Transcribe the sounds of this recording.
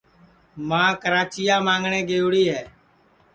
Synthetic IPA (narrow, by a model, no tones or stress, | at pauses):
mãːkəɾaːt͡ʃɪjaːmãːŋɡɳẽːɡeːʊɽiːɦɛː